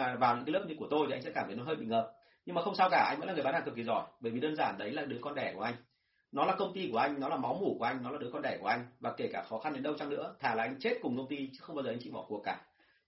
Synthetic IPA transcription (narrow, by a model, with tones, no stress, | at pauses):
vaː˨˩wɲɨ̰˧˥ka˨˦lp̚ɲɨ˧ku˧˩t̪o˧jt̪i˨˩a˧jsɛ̰˧˥kaː˧˩mt̪ʰn˨˦jhəː˧jɓḭ˧˨ŋhəː˨˩p̚ | ɲɨ˧ŋmaː˨˩xə˧wŋ͡msaː˧wkaː˧˩ʔa̰˧jŋ̟ə̰˧˥nlːɓhaː˧˩tɨ˨˩ki˨˦zɔ˧˩jɓəː˧˩vi˨˩ɗəː˧nzaː˧˩nɗə˨˦jlaː˨˩˦ɗɨ˨˦əkɔ˧nɗɛ˧˩ku˧˩ʔa˧ŋ̟ | nɔ˨˦laː˨˩kə˧wŋ͡mt̪i˧ku˧˩əʔa˧jŋ̟nɔ˨˦laː˨˩ma˨˦wmu˧˩ku˧˩ʔa˧jŋ̟nɔ˨˦laː˨˩ɗɨ˨˦kɔ˧nɗɛ˧˩ku˧˩əʔa˧jŋ̟vaː˨˩ke˧˩kaː˧˩xɔ˨˦xa˧nɗe˨˦nɗə˧wt͡ɕa˧ŋnɨ̰˧˥ət̪ʰaː˧˩laː˨ʔa˧ŋ̟t͡ɕe˦˥t̚kʊ˨˩ŋ͡mkə˧wŋ͡mt̪i˧t͡ɕɨ̥˨˦˥xə˧wŋ͡mɓaː˧zəː˨˩˨ŋ̟t͡ɕḭ˧˨ɓɔ̰˧˩ku˨˩əkːaː˧˩